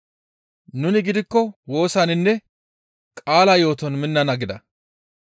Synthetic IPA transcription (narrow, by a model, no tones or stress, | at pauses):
nʊnɪɡɪd̪ɪkːɔwo̞ːsaːnɪnːɛ | kʼaːlajo̞ːt̪ɔnmɪnːɐnɐɡɪd̪ɐ̰